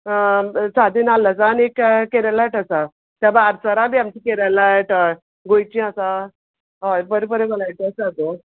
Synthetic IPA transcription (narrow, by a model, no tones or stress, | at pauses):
sad̪inalat͡saniekkeɾalajʈasa | t̪abaːɾsəɾãbiːamt͡ɕikeɾalajʈ | ɡojt͡ɕĩasa | apəɾipəɾebəlajʈəsat̪o